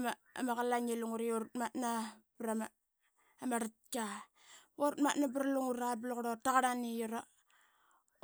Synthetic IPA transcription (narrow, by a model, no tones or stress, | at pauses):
maa̰makalaɲeluŋuɾioɾutmatnabɾamaː | maɾat̚ka | oɾutmatnabɾaluŋuɾablokɾotaɣaɾanijuɾa